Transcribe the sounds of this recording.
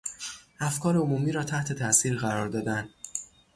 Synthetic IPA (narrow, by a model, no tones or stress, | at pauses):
ʔæfkʰɒːɾeomuːmiːɾɒːt̪ʰæht̪ʰe̞t̪ʰæʔsiːɾɣæɾɒːɾd̪ɒːd̪ænd̪